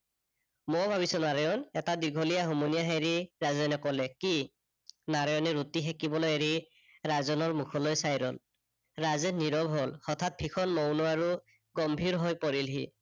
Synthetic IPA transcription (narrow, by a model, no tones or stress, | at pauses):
mɔbʱabisɔnaɹɔjɔnɛtadiɡʱɔlijaɦomonijaɦajɹiɹazɛnɛkɔlɛki | naɹɔjɔnɛɹutixɛkibɔlojeɹi | ɹazɔnɔɹmukʰɔlɔjsajɹɔ̰l | ɹazɛniɹɔbʱɦɔlxɔt̪ʰat̪̚bʰʱikʰɔnmɔwnɔaɹu | ɡɔmbʱiɹɦojpɔɹilɦi